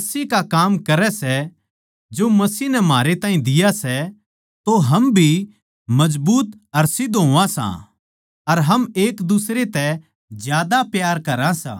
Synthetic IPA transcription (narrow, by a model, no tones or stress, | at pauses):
ɐsiːkakaːmkɐɾɛsɛ | d͡ʒoːmɐsiːnɛmɦaːɾet̪ãːɦĩd̪ɪjasɛ | t̪oɦɐmbʱi | mɐzbuːt̪ | ɐɾsɪd̪ɦoːʋãsã̰ | ɐɾɦɐmeːkd̪ʊsɾet̪ɛ | zjaːd̪apjaːɾkɐɾãsã̰ː